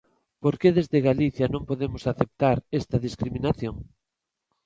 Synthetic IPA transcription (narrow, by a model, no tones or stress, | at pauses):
poɾkeðezðeɣaliθjanõŋpoðemʊsaθep̚t̪aɾest̪ɐðiskɾiminaθjoŋ